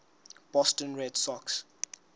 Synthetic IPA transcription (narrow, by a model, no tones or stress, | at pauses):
b̥ɔstə̃nɹɛdsɔks